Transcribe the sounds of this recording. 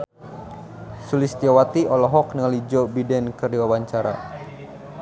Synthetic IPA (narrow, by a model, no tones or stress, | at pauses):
sulɪst̪iawat̪iʔɔlɔɦɔk̚nəŋəlid͡ʒɔbidɛnkərdiwawaɲt͡ʃaɾa̰